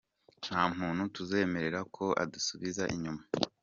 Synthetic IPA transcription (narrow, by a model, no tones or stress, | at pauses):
n̥haːm̥uːnhutuze̞ːme̞ɾe̞ɾakʰo̞ʔa̰dusuβizaʔiɲuma